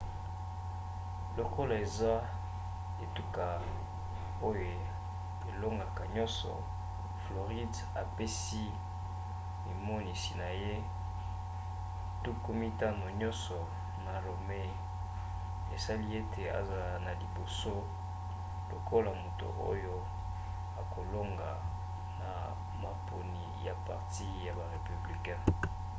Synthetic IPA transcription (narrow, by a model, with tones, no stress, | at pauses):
lo˨ko˦la˨e˨za˦ | e˨tu˨ka˨ | o˦jo˨ | e˨lo˦ŋɡa˨ka˨ɲɔ̃˦nsɔ̰˨ | flo˨ʁi˦d | a̰˨pe˦s | i˦ | i˨mo˦ni˨si˨na˨je˦ | tu˦ku˦mi˦ta˦no˨ɲɔ˦nsɔ˨ | na˨lo˨me˦ | e˨sa˦li˦e˦te˨a̰˨za˨la˨na˨li˨bo˨so˦ | lo˨kʰo˦la˨mo˨to̰˨o̰˦jo˦ | a˨ko˨lo˦ŋɡa̰˨ | na˨ | ma˨po˨ni˨ja˨pa̰˨ʁti˦ja˨ba˨ʁe˨py˨bli˨kɛ̃˦